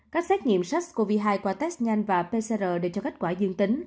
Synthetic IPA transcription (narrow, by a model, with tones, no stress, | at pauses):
kaː˦˥k̚sɛ˦˥t̚ɲḭ˧˨əmsa˦˥k̚ko˧vi˧ɦaː˧jkwaː˧t̪ɛ˦˥sɲa˧jnvaː˨˩pe˧se˧zəː˨˩ɗe˧˩t͡ɕɔ˧ka˦˥k̟̚kwaː˧˩zɨ˧əŋt̪ï˨˦ŋ̟